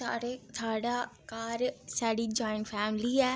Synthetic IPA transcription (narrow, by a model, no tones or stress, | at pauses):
ɽet̪ʰaːɽakaːɾsɐɽid͡ʑɔːɪ̃ɳʈfɛːmɪliaː